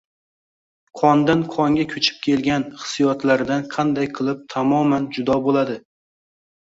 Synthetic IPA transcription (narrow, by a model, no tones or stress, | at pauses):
qʰɒnd̪anqʰɒŋɡʲakʲʰɵt͡ʃʰɪ̥p̚kʲʰe̞lɡʲanχɨ̥sijɒt̪laɾɪd̪anqʰɑnd̪ajqʰɨlˠɪp̚t̪ʰamɒmand͡ʒʊd̪ɒbolˠad̪ɪ